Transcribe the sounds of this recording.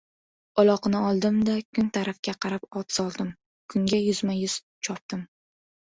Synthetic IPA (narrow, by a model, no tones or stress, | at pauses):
ɒlˠɒqnɪɒlˠd̪ɪmd̪akʰʊnt̪ʰaɾafkʲaqʰɑɾapɒt̪ʰsɒlˠd̪ɪm | kʰʊŋɡʲajʊzmajʊz̥ | t͡ʃʰɒp̚t̪ɪm